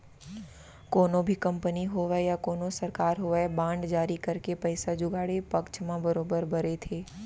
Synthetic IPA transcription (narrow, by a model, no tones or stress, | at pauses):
koːnõbʱikɐ̃mpəniɦoʋjakoːnõsɐɾkaːɾɦoːʋəebãːɳɖd͡ʒaːɾikɐɾkepɐɪsad͡ʒʊɡaːɽepɐkt͡ʃʰmãbəɾoːbəɾbɐɾet̪ʰeː